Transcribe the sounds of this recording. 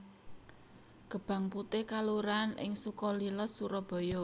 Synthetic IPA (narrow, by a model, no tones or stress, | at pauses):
ɡ̥ə̤b̥ä̤ŋput̪ɪhkaluɾanʔɪ̰ŋsukɔlilɔsːuɾɔb̥ɔ̤jɔ